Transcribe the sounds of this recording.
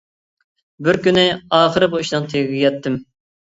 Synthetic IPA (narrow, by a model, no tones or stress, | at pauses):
bɪɾkʲynɪɑːχəɾɪbuiʃnɨŋt̪ʰeɡʲɡʲiɡʲɛt̪ʰːɪm